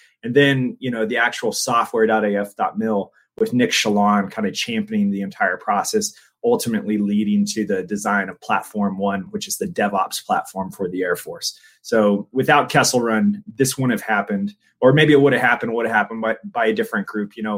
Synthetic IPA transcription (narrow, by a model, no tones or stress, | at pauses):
ɨ̃nðɨ̃njɨnoʊðiæk̚t͡ʃəwl̩ˠsɔft̚wɛɹdɑɾeɪɛfd̥ɑ̰t̚mɪlˠ | wɨðnɪkʃəlɑ̃nkʰãɪ̃ndɨt͡ʃʰæ̃mpɪ̃ŋðiɨ̃ntʰaɪə˞pʰɹ̥ɔsɛs | ʌlˠtʰɨmɨʔliliɾɪ̃ŋtʰɨðɨdɨzãɪ̃nʌv̥pʰl̥æ̰tfɔɹmwʌ̃nwɨt͡ʃɨzðɨdɛvɑ̰pspʰl̥æ̰tfɔɹɱfə˞ðiɛɹfɔɹsː | oʊwɨθaʊt̚kʰɛsl̩ˠɹʌ̃nðɪswʌ̃ñɨv̥hæpɨ̃nd̥ | ə˞meɪbiɨt̚wʊɾɨv̥ɦæpɨ̃nə˞wʊɾɨv̥hæpə̃n̩baɪb̥aɪɨdɪfɹɨ̃nɡ̥ɹʉpʰjɨñoʊ